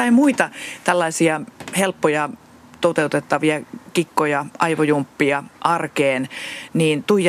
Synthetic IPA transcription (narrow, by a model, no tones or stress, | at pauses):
ɑimuit̪ɑt̪ælːɑisiɑhelpːojɑ | t̪ot̪eut̪et̪ːɑʋiɑkikːojɑʔɑiʋojumpːiɑʔɑrkeːnniːnt̪uij